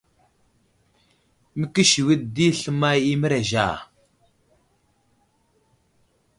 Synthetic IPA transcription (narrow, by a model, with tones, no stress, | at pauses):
mə˦ki˦ʃi˨wi˦tdi˦ɬə˦ma˦ji˦mə˦ɾa˨ʒa̰˨